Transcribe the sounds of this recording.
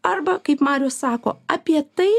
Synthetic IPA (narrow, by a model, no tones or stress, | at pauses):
ɐɾbɐkɐɪpmɑːɾʲoːssɑːko̰ːɐpʲiɛt̪ɐɪ